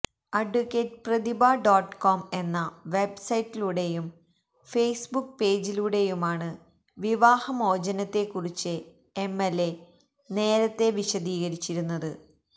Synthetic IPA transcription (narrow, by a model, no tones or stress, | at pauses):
ɐɖukːeːʈprɐðibaːɖoːʈko̞ːme̞nːɐʋe̞bsɐjʈːiluɽe̞jum | fejsbuk̚ːpe̞ːd͡ʑiluɽe̞jumaːɳɨ | ʋiʋaːhɐmo̞ːd͡ʑɐnɐt̪ːe̞kːurit͡ɕːɨ | emːelːe̞ | ne̞ːɾɐt̪ːe̞ʋiɕɐd̪iːɣɐɾit͡ɕːiɾunːɐðɨ